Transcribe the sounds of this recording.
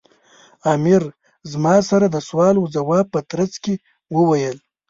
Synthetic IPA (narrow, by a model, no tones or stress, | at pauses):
ɑmɪɾ | zmɑsaɾad̪əswɑluzawɑpət̪ɾat͡ske | wəwajəl